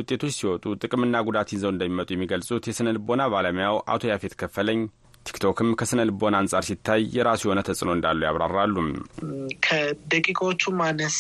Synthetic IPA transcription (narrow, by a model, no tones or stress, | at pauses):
wʊt̪ʼːe̞t̪ʰo̞t͡ʃːsiwɔt̪ʼut̪ʼɨkʼɨmɨnːaɡud̪at̪jɪnzəwɨnd̪əmːimət̪ʼujɛmːiɡəlsʼut̪jɛsɨnəlɨbo̞naβaləmjawʔa̰t̪ʰo̞jafe̞t̪kʰəfːələɲː | t̪ʰi̥kt̪ʰo̞kɨmkʰəsɨnəlbo̞naːnsʼaɾsit̪ʰːajjɛɾasjɪho̞nət̪ʰəsʼɨno̞ɨnd̪alːujaβɾa̰rːalːum | kʰəd̪əkʼikʰʼot͡ʃːumanːəs